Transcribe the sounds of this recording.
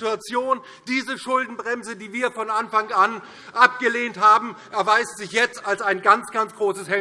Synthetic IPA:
uat͡sjoːn | d̥iːzəʃʊldn̩bʁɛmzədiːviːɐfɔnʔanfaŋan | ʔap̚ɡ̥əleːnthaːbm̩ʔɛɐvaɪstz̥ɪçjɛt͡stalsaɪnɡant͡sɡ̥ant͡sɡ̥ʁoːsəshɛ

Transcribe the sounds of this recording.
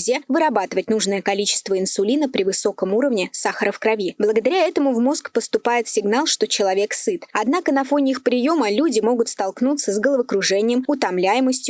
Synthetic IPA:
zʲevɨɾɐbat̪ɨvət̚ʲnuʐnəjəkɐlʲit͡ɕɪ̥st̪vəɪnsʊlʲinəpɾʲɪvɨso̞kəmuɾəvnʲɪsaxəɾəfkɾɐvʲiblˠəɡəd̪ɐɾʲaɛt̪əmʊvmo̞skpəst̪ʊpajɪt̪sʲɪɡnalˠʂt̪o̞t͡ɕɪlˠɐvʲe̞ksɨt̪ɐd̪nakənɐfo̞nʲɪixpɾʲɪjo̞məlʲudʲɪmo̞ɡʊt̪st̪ɐlˠknut̪səzɡəlˠəvəkɾʊʐɛnʲɪjəmʊt̪ɐmlʲæjɪməsʲtʲjʊ

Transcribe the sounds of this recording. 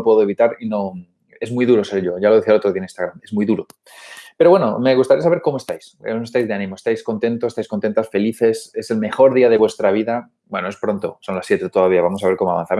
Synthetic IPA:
pwe̞ðoe̞βit̪aɾino̞ | e̞zmujðuɾo̞se̞ɾʝo̞ʝaloe̞θialo̞t̪ɾo̞ðianĩnst̪aɣɾame̞zmujðuɾo | pe̞ɾo̞βwe̞no̰meɣ̞ust̪aɾiasaβeɾko̞moe̞st̪ajsost̪ajzðe̞anĩmoest̪ajsko̞nt̪ẽ̞nt̪oest̪ajskont̪e̞nt̪asfe̞liθe̞se̞se̞lme̞xo̞ɾðiaðe̞βwe̞st̪ɾaβ̞iða | bwenoe̞spɾo̞nt̪o̞̰so̞nlasːje̞t̪et̪o̞ðaβiaβamo̞saβe̞ɾko̞moaβa̰nθam

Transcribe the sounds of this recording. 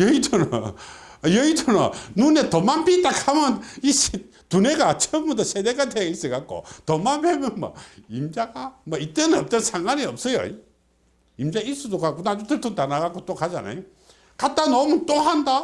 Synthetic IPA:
jʌitʰon | jʌitʰonʌnunetʌmanpit͈akʰamʌniɕi | tuneɡat͡ɕʰʌmbutʰʌsʰedeɡatʰeis͈ɯɡak͈o̰tʌmanpemjʌnmʌ̰imd͡ʑaɡamʌit͈enɯʌp̚t͈ʌnsʰaŋɡwaniʌp̚s͈ʌjʌ̰ | imd͡ʑais͈udokakonad͡ʑotʰɯtʰotanaɡakot͈okʰad͡ʑana̰jo | kat͈anʌmut͈oɦanda

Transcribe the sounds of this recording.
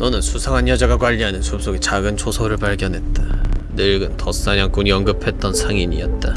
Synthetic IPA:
nʌnɯnsʰusʰaŋanjʌd͡ʑaɡakwaʎːiɦanɯnsʰup̚s͈oɡit͡ɕaɡɯnt͡ɕʰosʰoɾɯɭpaɭɡjʌnɦe̞t̚t͈anɯɭɡɯntʌs͈aɲaŋk͈uɲiʌŋɡɯpʰe̞t̚t͈ʌnsʰaŋiɲiʌt̚t͈a

